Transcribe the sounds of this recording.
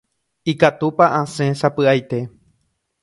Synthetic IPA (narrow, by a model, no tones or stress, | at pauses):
ikat̪upaʔãsẽ̞sapɨajt̪e̞